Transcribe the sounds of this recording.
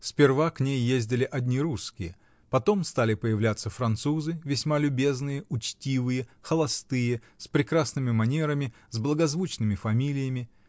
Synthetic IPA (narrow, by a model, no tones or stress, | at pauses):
sʲpʲɪrvaknʲejːezʲdʲɪlʲɪʔɐdʲnʲiɾuskʲɪjə | pɐt̪o̞mst̪alʲɪpəjɪvlʲat̪sːəfɾɐnt̪suzɨvʲɪsʲmalʲʊbʲe̞znɨjəʔʊt͡ɕtʲivɨjəxəlˠɐst̪ɨjə | spɾʲɪkɾasnɨmʲɪmɐnʲeɾəmʲɪ | zblˠəɡɐzvut͡ɕnɨmʲɪfɐmʲilʲɪjəmʲɪ